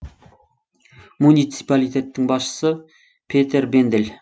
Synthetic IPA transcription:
munijt̪si̥palijt̪e̞t̪ːɪŋbɑsʃə̥sə | pʰet̪e̞ɾbend̪el

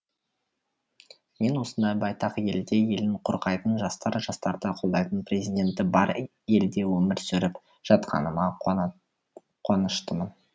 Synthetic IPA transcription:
me̞nwo̞sənd̪ɑjbɑjt̪ɑqje̞ld̪e̞je̞lɪɴqʰʊɾqɑjt̪ənʒɑst̪ɑɾʒɑst̪ɑɾd̪əqʰo̞lˠd̪ɑjt̪ənprʲezijd̪ʲe̞nt̪ɪbɑɾ | je̞ld̪e̞wɵmɪɾsɵɾɪp | ʒ̥ɑt̪qʰɑ̰nəmɑ | qʰonəʃt̪əmən

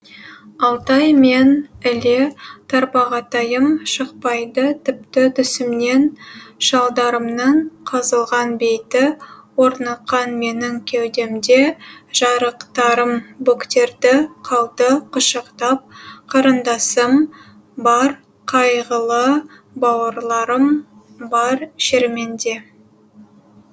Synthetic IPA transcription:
ɑlˠt̪ɑjme̞nɪle̞t̪ʰɑɾpɑʁɑt̪ɑjəmʃəqpɑjd̪ət̪ʰɪpt̪ɪt̪ʰʏsɪmne̞nʒɑlˠd̪ɑɾəmnəɴqʰɑzəlˠʁɑnbe̞jt̪ɪwo̞ɾnɑqːɑnme̞nɪŋkʲʰewd̪e̞md̪eʒ̥ɑɾəqt̪ɑɾəmbukt̪e̞ɾd̪ɪqʰɑlˠt̪əqʰʊʃəqt̪ɑp̚qʰɑɾənd̪ɑsəm | bɑɾ | qʰɑjʁəlˠə | bɑwəɾlˠɑɾəm | bɑɾʃeɾme̞nd̪e̞

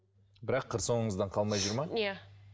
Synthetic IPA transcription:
bɪɾɑqʰːəɾso̞ɴəɴəzd̪ɑɴqʰɑlˠmɑjʒʊɾmɑja

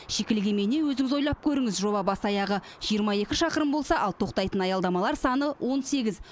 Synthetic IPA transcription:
ʃe̞kʲɪlɡʲe̞mene̞wɵzɪŋɪzo̞jlˠɑp̚kʲʰɵɾɪŋɪzʒo̞bɑbɑsɑjɑʁə | ʒ̥ijəɾmɑje̞kʲɪʃɑqəɾəmbo̞lˠsɑʔɑlˠt̪ʰo̞qt̪ɑjt̪ənɑjɑld̪ɑmɑlˠɑɾsɑnəwʔo̞nse̞ɡʲɪz

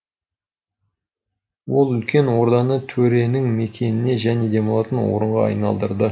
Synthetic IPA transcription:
wo̞lˠʏlkʲe̞nwo̞ɾd̪ɑnət̪ʰɵɾe̞nɪŋme̞kʲʰe̞nɪne̞ʒæne̞d̪e̞molˠɑt̪ənwo̰ɾəɴʁɑɑ̰jnɑ̰lˠd̪əɾd̪ə

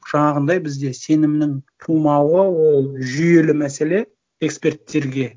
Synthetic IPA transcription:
ʒ̥ɑɴɑʁənd̪ɑjbɪzd̪e̞se̞nɪmnɪŋt̪ʰumɑwəwo̞lˠʒʏje̞lɪmæse̞le̞ | ekspʲe̞rt̪ːe̞ɾɡʲe̞

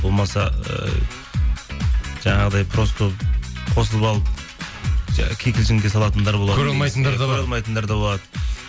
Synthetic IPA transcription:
bo̞lˠmɑsɑə̰ | ʒ̥ɑɴɑʁəd̪ɑjpʰro̞skʰɵpqʰo̞səlˠəpɑlˠəp̚ | kʲʰejkʲɪlʃɪmɡʲe̞sɑlˠɑt̪ənd̪ɑɾbo̞lˠɑɑɵɾɑlˠmɑjt̪ənd̪ɑɾd̪ʰɾɑlˠmɑjt̪ənd̪ɑɾd̪ɑbo̞lˠɑd̪ə

